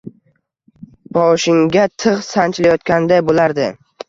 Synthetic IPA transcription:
bɒʃɪŋɡʲat̪ʰɨʁsant͡ʃʰlajɒt̪̚kʲand̪ajbolaɾd̪ɪ

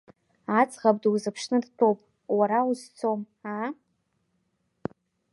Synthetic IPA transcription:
at͡sʼʁab̚ʼdwzɨpʰʂnɨdtʰo̞wpʼ | waɾauzt͡sʰom | a

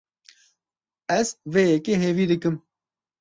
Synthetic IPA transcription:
ɛzweːjɛkeːɦeːviːd̪ɨkɨm

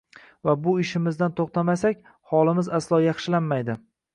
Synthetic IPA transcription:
vabʊɪʃɪmɪzd̪ant̪ʰoχt̪ʰamasakʲ | hɒlˠɪmɪzaslˠɒjɑχʃɪlanmajd̪ɪ

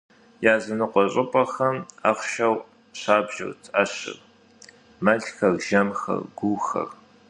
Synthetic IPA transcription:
jaːzɨnɨqʷʼɔɕʼɪpʼɐxɐmaːχʷʃɐw | ɕaːbʒɪ̰rt͡sʰʼɐɕɪ̰r | mɐɮxɐrʒ̥ɐmxɐ̰rɡʷuːxɐ̰r

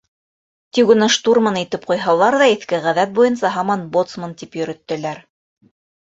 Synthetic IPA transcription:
t̪iɡɵ̆nɑʃt̪urmɤnit̪ɘp̚qujɦɑlˠɑɾðɑiθkɘʁæðæt̪̚bujɤ̆nsɑɦɑmɑnbot̪smɤnt̪ipjɵ̆ɾɵ̆t̪ːɘ̆læɾ

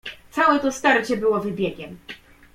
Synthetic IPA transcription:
t̪sawɛt̪ɔst̪aɾt͡ɕɛbɘwɔvɘbʲjɛɡʲɛm

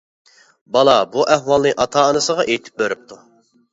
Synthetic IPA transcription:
bɑlˠɑbuʔɛhwɑlˠnɨʔɑt̪ʰɑːnɨsəʁɑʔejt̪ʰɪ̥p̚bøɾyp̚t̪ʰu

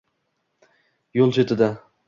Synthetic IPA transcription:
jolˠt͡ʃʰet̪ʰɪd̪a

